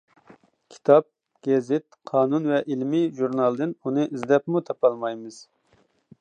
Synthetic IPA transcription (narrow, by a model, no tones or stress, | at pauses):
kʲʰi̥t̪ʰɑp̚ | ɡ̥ʲɛzɪt̪̚qʰɑːnunvɛʔilmɪʒuɾnɑlˠd̪ɨnunɨʔizd̪ɛpmut̪ʰɑpɑlˠmɑjmɨz̥